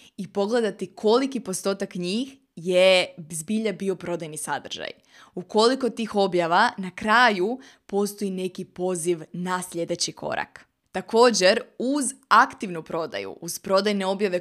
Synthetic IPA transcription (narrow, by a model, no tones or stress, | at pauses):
ipo̞ɡle̞d̪at̪ikʰo̞likipo̞st̪o̞ːt̪akɲiːx | jezbiʎabio̞pɾo̞d̪ajnisa̰d̪r̩ʒ̥a̰j | uko̞liko̞t̪ixo̞bjaʋanakɾaːju | po̞st̪o̞jine̞kipo̞ziʋnasʎʲe̞d̪e̞t͡ɕikʰo̞̰ɾa̰k | t̪ako̞ːd͡ʑe̞ɾuzakt̪iʋnupɾo̞d̪a̰jṵʔuz̥pɾo̞d̪ajne̞o̞bjaʋe̞